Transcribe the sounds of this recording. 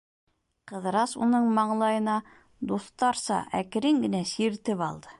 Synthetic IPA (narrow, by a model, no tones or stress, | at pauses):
qɤ̆ðɾɑsṵnɤɴmɑɴlˠɑjɤ̆nɑ | d̪uθt̪ɑɾsɑ̰ʔækɘ̆ɾɘŋɡɘ̆næsiɾt̪ɘpɑlˠd̪ɤ